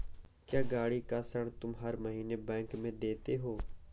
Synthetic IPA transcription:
kjaːɡaːɽikasəɽ̃t̪ʊmɦɐɾməɦiːnebɛ̃ːŋkmẽd̪eːt̪eɦoː

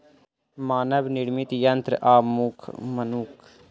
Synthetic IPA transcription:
maːnəbnɪɽmit̪jɐnt̪ɾʔaːmukʰmɐnuːkʰ

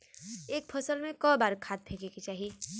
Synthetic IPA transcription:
eːk̚pʰəsəlmẽkɔ̃baːɾkʰaːt̪̚pʰeːkekit͡ʃaːɦi

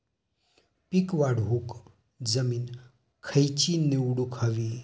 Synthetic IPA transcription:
pikʋaɽɦuk | d͡zɐmin | kʰɐjt͡ʃineuɽukʰɐʋi

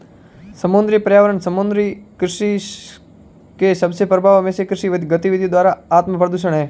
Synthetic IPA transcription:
səmʊnd̪ɾipəɾjaʋəɾəɳsəmʊnd̪ɾikɾɪʃi | keʃəbsepɾəbʱaʋəmesekɾɪʃiʋəd̪iɡət̪iʋid̪ʱid̪ʋaːɾaat̪məpɾəd̪uʃ̬əɳɦɛː

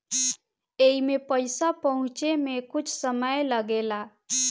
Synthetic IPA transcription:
eimepəjsapəɦʊ̃t͡ʃemekʊt͡ʃʰsəməjləɡela

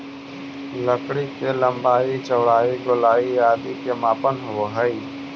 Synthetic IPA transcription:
ləkɽikelə̃mbaːit͡ʃəʋɽaːiɡʊlaːiaːd̪ikemaːpənɦoɦəiː

